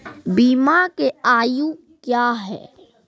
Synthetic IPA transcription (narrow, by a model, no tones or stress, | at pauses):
biːmakeaːjũ | kjaːɦɛ̰ː